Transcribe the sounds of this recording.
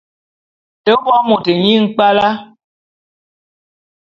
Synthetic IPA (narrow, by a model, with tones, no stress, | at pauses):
tə˦wɔ˦mo˨te˨ɲi˦˨ŋ̩˦k͡pa˦la˦